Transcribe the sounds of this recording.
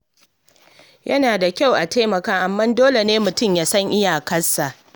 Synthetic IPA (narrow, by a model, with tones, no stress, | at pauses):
jʔɐ˦naː˨da˨kʲa˦˨wʔa˨teː˦mɐ˨kaː˦ʔa˨mːɐ˦ndoː˦le˨neː˦mʊ˨tʊ˦˨mjaː˦sɐ˦ŋʔɪ˦jaː˨kɐ˦sːa˨ʔ